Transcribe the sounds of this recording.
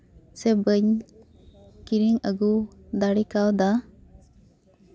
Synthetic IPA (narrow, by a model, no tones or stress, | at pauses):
sɛbəɲ | kiɾiŋəɡud̪aɽikawd̪a